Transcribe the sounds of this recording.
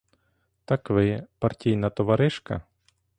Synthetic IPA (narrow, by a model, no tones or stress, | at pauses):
t̪ɐkʋɪpɐrtʲijnɐt̪ɔʋɐɾɪʃkɐ̰